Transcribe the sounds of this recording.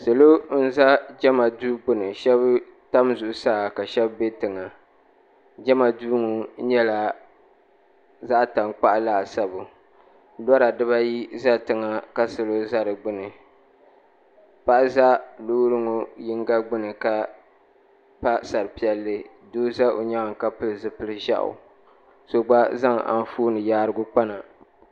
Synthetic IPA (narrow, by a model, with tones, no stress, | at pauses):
sɨ˨lo˦n̩˦za˦d͡ʒɛ˦ma˨duː˦ɡ͡bʊ˦nɨ˨ʃɛ˦b | ta˦mzʊ˨ʔʊ˨saː˦˨ka˨ʃɛ˦bbe˦tɨ˨ŋa˨ | d͡ʒɛ˦ma˨duː˦ŋʊ˨ɲɛ˦la˨ | za˦ʔta˨ŋk͡pa˦ʔa˦la˦ʔsa˦bʊ˨ | dɔ˦ɾa˨dɨ˦βa˦ji˦za˦tɨ˨ŋa˨ka˦sɨ˨lo˦za˦ɾɨ˨ɡ͡bɨ˦nɨ˨ | pa˦ʔza˦lʊ˦ɾɨ˦ŋʊ˨jɪ˦ŋ˦ɡa˦ɡ͡bɨ˦nɨ˨ka˦ | pa˦sa˨ɾɨ˨pi˨ɛ˦lːɨ˦ | doː˦za˦o˨ɲa˦a˨ka˦pɨ˦lɨ˨zɨ˦pɨ˦lɨ˦ʒa̰˦ʔʊ̰˨ | so˨ɡ͡ba˦za˦ŋa̰˨n˦fuː˦nɨ˨jaː˦ɾɨ˦ɡʊ˦k͡pa˦na˨